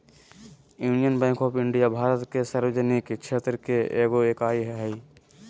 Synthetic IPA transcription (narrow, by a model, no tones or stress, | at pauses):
juːnijənbɛ̃ːŋkɔːpɪɳɖijabʱaːɾət̪kesaːɾʋəd͡ʒənikkt͡ʃʰeːt̪ɾəkeeːɡoekaːiɦɛɦɛi